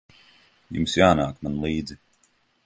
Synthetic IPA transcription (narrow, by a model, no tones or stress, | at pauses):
jṵmsjaːnaːkmanlˠiːd̪zi